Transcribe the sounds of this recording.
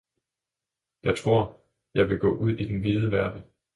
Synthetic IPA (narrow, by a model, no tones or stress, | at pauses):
jɑ̈ɪt͡sʰʁo̝ɐ̰ | jɑ̈ɪʋe̝ɡ̥ɔ̰̽ːʔuð̞̰ˠid̥enʋiðˠəʋæɐd̥ə